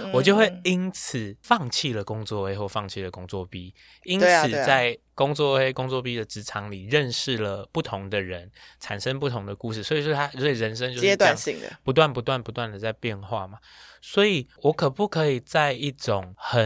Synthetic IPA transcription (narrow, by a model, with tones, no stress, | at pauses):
wɔ˨˩t͡ɕjo˥˧ʊxwe˥˩ɪi˥nt͡s̩ʰ˨˩fɑ˥˧ŋt͡ɕʰi˥˩lə˩kʊ˦˥ŋt͡swɔ˥˨we˥ɪxwɔ˥˩fɑ˥˧ŋt͡ɕʰi˥˩lə˨˩kʊ˥ŋt͡swɔ˥˨˩pi˦ | i˥nt͡s̩ʰ˨˧t͡sa˥˩ɪ | kʊ˥ŋt͡swɔ˥˨we˥ɪkʊ˥ŋt͡swɔ˥˨˩pi˦d̪ə˨ʈ͡ʂɻ̩˧˥ʈ͡ʂʰɑ˧˦ŋli˨˩ɻə˥˧nʂɻ̩˥˩lə˩pu˥˩t̪ʰʊ˧˦ŋd̪ə˨ɻə˨˦nʈ͡ʂʰa˨˩nʂə˦ŋpu˥˩t̪ʰʊ˧˥ŋd̪ə˨ku˥˧ʂɻ̩˥˩swɔ˧˥i˨˩o˥˩t̪ʰa˥˧si˨˩ɻə˧˦nʂ̬ə˥ŋt͡ɕjo˥˧ʊ˥t̪wa˥˧n˨ɕi˥˨ŋə̰˨pu˧˦t̪wa˥˩npu˧˦t̪wa˥˩npu˧˦t̪wa˥˩nd̪ə˨˩t͡sa˥˧ɪpjɛ˥˧nxwa˥˨˩ma˩ | swɔ˧˥i˨˩wɔ˨˧˦kʰɤ˨˩pu˥˩kʰɤ˧˦˥i˨˩t͡sa˥˧ɪi˥˩ʈ͡ʂo˨˩ŋxə˨˩